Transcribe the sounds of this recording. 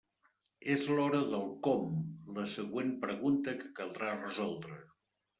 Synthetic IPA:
ezlɔɾəðəlˠkɔmləsəɣwenpɾəɣunt̪əkəkəlˠd̪ɾarəzɔlˠd̪ɾə

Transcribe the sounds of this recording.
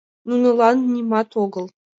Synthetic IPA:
nunɤ̆lˠɑnnʲimɑt̪oɡɤ̆lˠ

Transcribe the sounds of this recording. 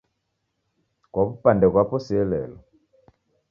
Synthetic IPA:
kwaβupandɛkwapɔsɛlɛ̰lɔ

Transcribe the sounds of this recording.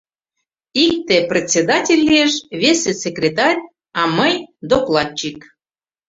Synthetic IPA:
ik̚t̪eprʲet͡sʲed̪ɑtʲelʲːieʃvʲesesekrʲet̪ɑrʲ | ɑməjd̪oplˠɑt̪̚t͡ɕik

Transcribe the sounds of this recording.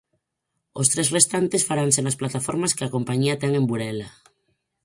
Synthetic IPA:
ost̪ɾesrest̪ant̪esfaɾansenasplat̪afoɾmaskeako̞mpaɲiat̪ɛŋẽmbuɾela

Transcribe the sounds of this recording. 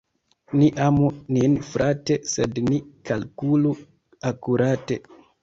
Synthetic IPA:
niʔamuninfɾʔatesednikalkulu | akuɾate

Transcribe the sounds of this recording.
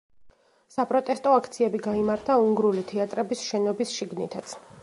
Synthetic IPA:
sapʼɾɔt̪ʼɛst̪ʼɔakʰt̪sʰiɛbiɡaimaɾt̪ʰauŋɡɾulit̪ʰɛat̪ʼɾɛbisʃɛnɔbisʃiɡnit̪ʰat̪sʰ

